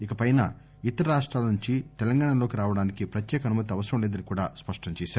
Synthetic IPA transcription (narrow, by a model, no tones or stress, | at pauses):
ikɐpɐjnɐ̰ | it̪ɐɾɐɾaːʂʈɾaːlɐnuɲt͡ʃit̪ɛlɐŋɡaːɳɐlo̞ːkiɾaːʋɐɽaːnikipɾɐt̪jɛːkɐnumɐt̪ːiɐʋɐsɐɾɐmlɛːd̪ɐnikuːɽa̰ːspɐʂʈɐɲt͡ʃɛːʃaːɾu